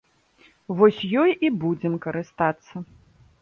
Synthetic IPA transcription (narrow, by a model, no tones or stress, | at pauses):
vɔsʲjɔjibud͡zʲɛmkɐɾɨst̪at̪sːɐ